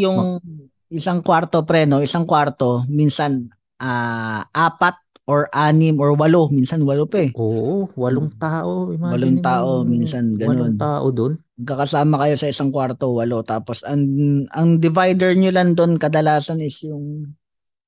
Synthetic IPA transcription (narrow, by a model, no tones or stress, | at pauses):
jʊŋ | ʔɪsaŋkwaɾt̪opɾɛːno̞ʔɪsaŋkwaɾt̪o̞minsɐn | ʔaːʔaːpɐt̪̚ | ʔoɹʔaːnɪmʔoɹwɐlominsɐnwɐlopɛʔoʔwɐloŋt̪aːʔomwɐloŋt̪aːʔo̞minsɐnɡɐnont̪aːʔo̰d̪onmɐɡ̚kːɐkɐsaːmɐkɐjo̞sɐɪsaŋkwaɾt̪owɐlo̞t̪aːpo̞sɐŋʔɐŋd̪ɪvajd̪ɛɹɲolɐŋd̪o̞nkɐd̪ɐlaːsɐnɪsjʊŋ